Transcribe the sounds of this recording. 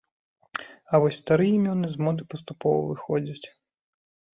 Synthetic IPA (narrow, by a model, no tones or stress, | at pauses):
ɐʋɔsʲst̪ɐɾɨjimʲɔnɨzmɔd̪ɨpɔst̪ʊpɔʋɐ̰ʋɨxɔd͡zʲɐt͡sʲ